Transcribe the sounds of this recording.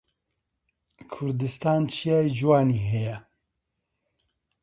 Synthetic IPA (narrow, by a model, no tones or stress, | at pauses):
kʰʊɾd̪ɨst̪aːnt͡ʃʰijɛd͡ʒwaːniɦɛjɛ